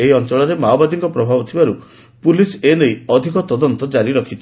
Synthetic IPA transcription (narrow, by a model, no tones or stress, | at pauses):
eiɔnt͡ʃɔɭɔɾemaobad̪iŋkɔpɾɔbʱabɔt̪ʰibaɾu | pulisenejɔd̪ʱikɔt̪ɔd̪ɔnt̪ɔd͡ʒaɾiɾɔkʰit͡ʃʰi